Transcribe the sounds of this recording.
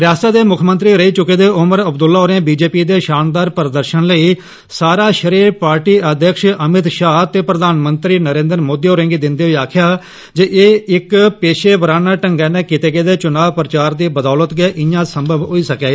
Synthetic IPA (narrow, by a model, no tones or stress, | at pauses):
ɾɪjaːsaːd̪eːmʊkʰmə̃nt̪ɾiːɾəiːt͡ʃʊkeːd̪eːʊməɾəbd̪ʊlːaːɦoɾẽːbiːd͡ʒeːpiːd̪eːʃaːnd̪aːɾpəɾd̪əɾʃənləiː | saːɾaːʃəɾiːɾpaːɾʈiːəd̪ʱəkʃəmɪt̪ʃaːt̪eːpɾəd̪aːnmənt̪ɾiːnəɾẽːnd̪əɾmoːd̪iːɦoːɾẽːŋɡiːd̪ɪnd̪eːɦoiːaːkʰɪjaː | d͡ʒeːʔeːɪkpeːʃeːbəɾaːnaːʈəŋɡɛːnẽːkɪt̪eːɡeːd̪eːt͡ʃʊnaːʋpɾət͡ʃaːɾd̪iːbəd̪aːlət̪ɡeːʔɪjãːsəmbəʋɦoiːsəkaːeː